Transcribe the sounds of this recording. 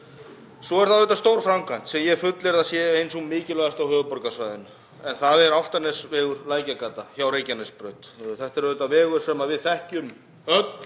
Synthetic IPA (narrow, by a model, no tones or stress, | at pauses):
sɔɛɾ̥θaðʏt̪ast̪owɾ̥fɾamkʰan̥t̪sɛmjɛfʏt̪lɛɾðasjɛejnsɔmːɪːcɪlœɣast̪awhœːvʏpɔɾkasvajðɪnːʏ | ɛnθaðɛɾawl̥t̪aɾnɛsvɛːɣʏɾlaːjcakaːt̪açjawɾejcanɛspɾœɥt̪θɛht̪ɛɾvʏt̪avɛːɣʏɾ̥sɛmaðvɪðθɛhcʏm | œt̪